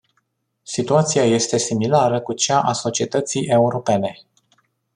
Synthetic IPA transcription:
sit̪uat̪siaje̞st̪e̞similaɾəkut͡ʃaʔaso̞t͡ʃie̞t̪ət̪sijʔe̞uɾo̞pe̞ne̞

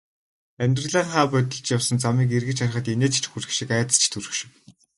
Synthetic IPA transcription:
æmʲt̪rə̆ɮæːɴχaːpœt̪ʲɪ̆ɮt͡ɕjawsə̆nt͡samiːk̬erɣɘ̆t͡ɕaɾχə̆t̪eneːt͡st͡ɕxuɾɘ̆xʃikaaːt̪ə̥̆t͡ɕʰt̪ʰuɾɵ̆xʃɪ̥̆w

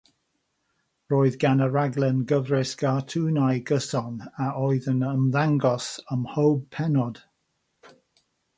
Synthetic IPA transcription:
ɹɔːɨðɡanəɹaɡlˠənɡəvɹɪsɡ̥atʰuːnajɡəsɔnaɔɨðənəmðaŋɡɔsəmhowb̚pʰɛnɔd̥

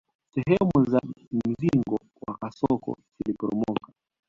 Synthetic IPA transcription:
sɛɦɛmuzam̩ziŋɡɔ | wakasɔkɔ̰zilipɔɾɔmɔka

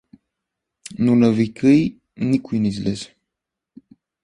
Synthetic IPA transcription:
nunəvikʰɨj | nikujnizles

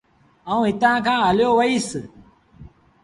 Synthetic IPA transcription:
əũːɦɪt̪ãːkʰãːɦəljoːʋəiːs

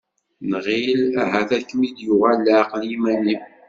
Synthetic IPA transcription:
nʁilæɦæθækːmid̪juʁalːaqənjimænim

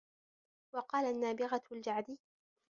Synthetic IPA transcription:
wɑqɑːlaʔnːaːbɪɣald͡ʒaʕd̪iː

